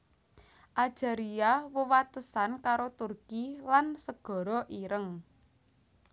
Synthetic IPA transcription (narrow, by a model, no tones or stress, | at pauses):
ʔḁʒ̥aɾiawəwat̪əsankaɾot̪urkilansəɡ̥ɔ̤ɾɔʔiɾəŋ